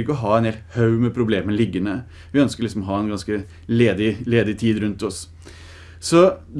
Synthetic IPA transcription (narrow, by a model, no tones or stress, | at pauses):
ɪkːəɔɦɑːɛnheːlt̪hɑʉmɛpʰɾʊbleːmənəlɪɡːənə | ʋɪœnskəɾlɪksɔmɔɦɑːɛnɡɑnskə | leːd̪ɪleːd̪ɪt̪ʰiːd̪ɾʉnt̪ɔs | sɔd̪